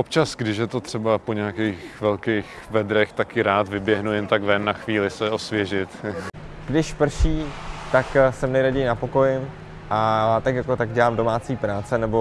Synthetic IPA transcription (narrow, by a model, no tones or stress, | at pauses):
ʔop̚t͡ʃasɡdɪʃjɛt̪o̞t̪r̝̥ɛbapoɲɛakɛːxvɛlkɛjx | vɛd̪ɾɛxt̪akɪɾaːt̪vɪbjɛɦnujɛnt̪aɡvɛnːaxviːlɪsɛo̞svjɛʒɪt̪ | ɡ̥dɪʃpr̩ʃiːt̪aksɛmnɛɾaɟɛjɪnapo̞ko̞jɪm | ʔat̪akjakot̪aɡɟɛlaːmdo̞maːt͡siːpɾaːt͡sɛnɛbo̞